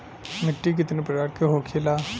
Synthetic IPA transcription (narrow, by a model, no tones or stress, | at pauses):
mɪʈːik̬ɪt̪nepɪɾaːɾkeɦoːkʰelaː